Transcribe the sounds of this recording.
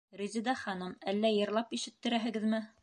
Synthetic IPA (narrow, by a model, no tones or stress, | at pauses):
ɾizid̪ɑχɑnɤmælːæjɤ̆ɾlˠɑpiʃɘ̆t̪ːɘ̆ɾæɦɘ̆ɡɘðmɘ